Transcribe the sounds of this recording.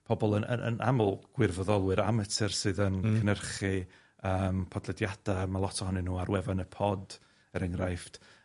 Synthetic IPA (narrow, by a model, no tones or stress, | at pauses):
pʰɔbɔlˠənə̰ə̰nʔa̰mʊlˠɡ̥wɪrvɔðɔlˠwɨɾamətʰɛrsɨðənkʰənərχi | əːmpʰɔdlˠɛdjad̥amalˠɔtʰɔhɔnɨnuːarwɛvanəpʰɔd | əɾʔɛŋrajfd̥